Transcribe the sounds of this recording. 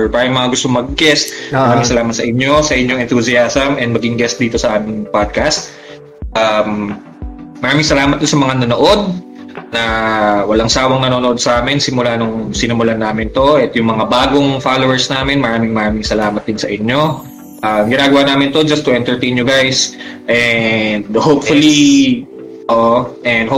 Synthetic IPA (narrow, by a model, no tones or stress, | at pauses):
ɹpaːɾɐjʊŋmɐŋaɡʊst̪oŋmɐɡ̚ɡɛst̪̚mɐɾaːmɪŋsɐlaːmɐt̪sɐʔɪɲːo̞sɐʔɪɲjoŋɛnt̪usɪasɐmʔɛn̚mɐɡɪŋɡɛst̪̚d̪iːt̪o̞sɐʔaːmɪŋpad̪̚kɐst̪̚ | ʔɐmː | ɐɾaːmɪŋsɐlaːmɐt̪̚d̪osɐmɐŋanɐnoʔo̞d̪̚ | nɐwɐlaŋsaːwɐŋnɐnonoo̞d̪̚sɐʔaːmɪnsɪmʊlanoŋsɪnʊmʊlanaːmɪnt̪o̞ʔɛt̪jʊŋmɐŋabaːɡoŋfalowɛɹsnaːmɪnmɐɾaːmɪŋmɐɾaːmɪŋsɐlaːmɐt̪̚d̪ɪnsɐʔɪɲjo̞ | ʔɐmɡɪnaːɡɐwanaːmɪnt̪o̞d͡ʒɐst̪ːʊʔɛnt̪ɛɹt̪ej̃njʊɡajsʔɛnd̪hopfʊli | oʔʔɛnd̪ho